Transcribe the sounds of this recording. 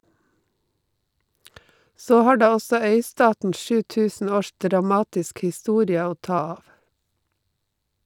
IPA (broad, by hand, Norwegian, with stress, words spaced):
ˈsoː ˈhɑː ˈɖɑː ˈɔsɔ ˈœʏˌstɑːtn̩ ˈʃʉː ˈtʉːsn̩ ˈoːʃ dɾɑˈmɑːtɪsk hɪˈstuːɾɪə ˈoː ˈtɑː ˈɑːʋ